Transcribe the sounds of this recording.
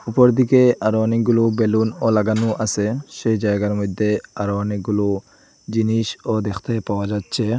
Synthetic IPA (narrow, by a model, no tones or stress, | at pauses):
upɔɾd̪ikeaɾowaniɡulubelunolaɡanuʔaseʃed͡ʒajɡaɾmod̪ʱːeaɾoaniɡulo | d͡ʑiniʃod̪exʰt̪ʰapawad͡ʑatːɕʰe